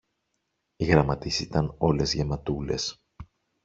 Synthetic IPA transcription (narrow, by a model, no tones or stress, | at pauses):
iɣɾɐmɐt̪isit̪ɐno̞le̞zʝe̞mɐt̪ule̞̰s